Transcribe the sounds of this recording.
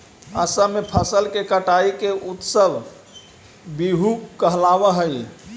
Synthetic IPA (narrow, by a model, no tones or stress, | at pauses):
əsəmepʰəsəlkekəʈaikeʔut̪səb | biɦukəɦlabəɦəj